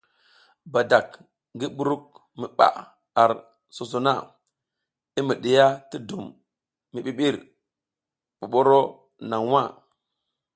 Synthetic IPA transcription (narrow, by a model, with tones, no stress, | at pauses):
ba˨da˨k | ŋɡi˦ɓu˦ɾu˦k̚ | mi˨ɓa̰˨ | a˨ɾ | so˨s̬o˨na˦˨ | i˦mi˨ɗi˨ja˦ti˦du˨mː | i˨ɓi˨ɓi˦ɾ | ɓu˨ɓo˦ɾo˦ | na˨ŋwa˦˨